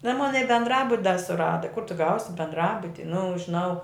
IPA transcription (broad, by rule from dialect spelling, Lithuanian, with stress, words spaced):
nʊ ˈoːn ˈmoːn ɪ bʲɛndˈrɑːbʊt dɐ sʊˈrɑːdɐ kʊr ˈtʊ ˈɡɐʊsʲɪ bʲɛndˈrɑːbʊtʲɪ nʊ ʒʲɪˈnɐʊ